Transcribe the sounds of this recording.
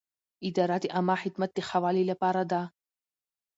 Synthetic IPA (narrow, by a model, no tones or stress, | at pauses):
ʔid̪aɾˤat̪iʔamaːħit̪mat̪ːixawalilapaɾˤad̪a